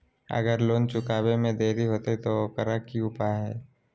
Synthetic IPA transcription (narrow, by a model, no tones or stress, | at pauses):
ə̰ɡəɾloːnt͡ʃʊkaːbemẽd̪eːɾiɦoːt̪et̪okəɾəkːiʊpaɦɛ̰ː